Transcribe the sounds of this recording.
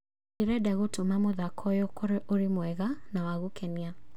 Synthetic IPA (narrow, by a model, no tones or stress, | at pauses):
iɾɛdaɣotomamoðakʰɔjɔkɔɾɛʔoɾimwɛɣanawaɣukʰɛnia